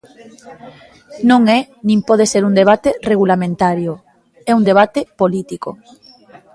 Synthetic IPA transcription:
nõŋɛnĩmpɔð̞eseɾund̪eβ̞at̪ereɣulamẽnt̪aɾjʊ | ɛund̪eβ̞at̪epolit̪iko̰

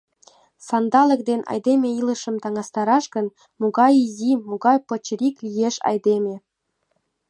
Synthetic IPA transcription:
sɑnd̪ɑlə̆kd̪enɑ̰jd̪emʲeilə̆ʃə̆mt̪ɑŋɑst̪ɑɾɑʃɡə̆n | muɣɑjizʲimuɣɑjpɤ̆t͡ɕə̆ɾʲiklijeʃɑ̰jd̪emʲe

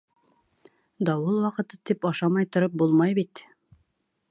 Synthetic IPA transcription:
d̪ɑwɤlˠwɑqɤ̆t̪ɤ̥t̪ipɑʃɑmɑjt̪ŏɾɤp̚bulˠmɑjbit̪

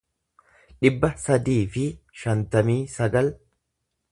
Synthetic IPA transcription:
ᶑɪbːɐsɐd̪iːfɪʃɐnt̪ɐmiːsɐɡɐl

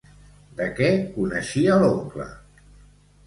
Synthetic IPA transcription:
d̪əkɛkunəʃiəloŋklə̰

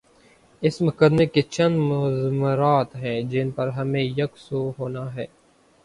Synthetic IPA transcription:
ɪsmʊkəd̪meket͡ʃənd̪mʊzməɾaːt̪ɦɛ̃ːd͡ʒɪnpəɾɦəmẽːjəksoɦoːnaːɦɛː

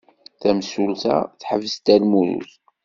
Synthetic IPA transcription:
θæmsulθa̰θħəvəst̪ælmuɾṵθ

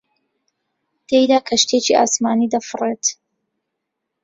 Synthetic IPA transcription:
t̪ejd̪aːkʰɐʃt̪ʰet͡ʃiʔa̰ːsmaːnid̪ɐfɨret̪

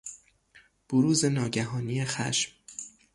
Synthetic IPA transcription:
b̥oɾuːze̞nɒːɟæɦɒːnijexæ̰ʃm

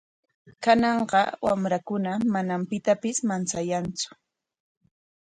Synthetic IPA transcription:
kanɑɴɢɑwamɾakʊnamanampɪt̪apɪsmant͡sajant͡sʊ̥

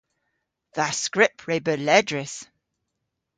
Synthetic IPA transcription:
ðəskɹɪpʰɹeɪbəlɛdɹɪs

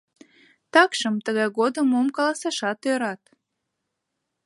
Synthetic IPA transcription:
t̪ɑkʃəmt̪əɣɑjɣod̪əmomkɑlɑsɑʃɑt̪øɾɑt̪

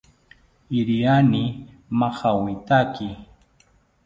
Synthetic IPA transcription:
ɪɾianɪ | maχawɪt̪akɪ

